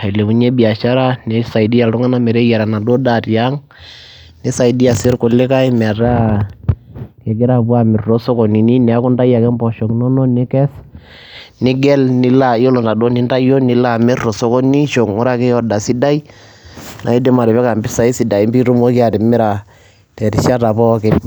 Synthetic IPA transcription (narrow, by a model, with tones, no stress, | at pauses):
a˨i˨le˨mu˨˦ɲe˦bi˨a˨ʃa˦ɾa˦nɛ˨˦sa˨i˨di˦ja˨ltʊ˦ŋa˦na˦mɛ˨ɾe˦ja˨ɾa˨na˨do˦da˨tja˦ŋ | ni˦sa˨i˨di˦a˨sɪ˦ɾkʊ˨lɪ˦ka˦i˦mɛ˨a˨ɾa˦ | kɛ˨ɡɪ˦ɾa˦bu˦a˦mɪ˨ɾro˦sɔ˦kɔ˨ni˨ni˦nɛ˨a˦kʊ˦nda˦ja˨kɛ˦mbɔ˨ʃɔ˨knɔ˦nɔ˦nɪ˦kɛ˦s | nɪ˦ɡɛ˦lnɪ˨la˨jo˦lɔ˨nda˨do˦ni˦nda˦jo˦nɪ˨la˦mɪ˦ɾro˨sɔ˦kɔ˦ni˦ʃo˨ŋɔ˦ɾa˦kɛ˦jɔ˦da˨sɪ˦da˦i˦ | nʔa˨i˦de˦ma˨ɾɛ˨βɛ˦ka˨mbɪ˦sa˨˦i˦si˨da˨i˦mbi˦ɾu˦mo˦ki˦a˨tɪ˨mɪ˦ɾa˨ | tɛ˨ɾi˨ʃa˦ta˨bɔ˦kɪ˦n